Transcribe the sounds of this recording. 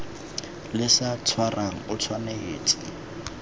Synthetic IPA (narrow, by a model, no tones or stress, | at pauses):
lɪsat͡sʰwarʔaŋ̩ʊt͡sʰwaneeːt͡sʼɪ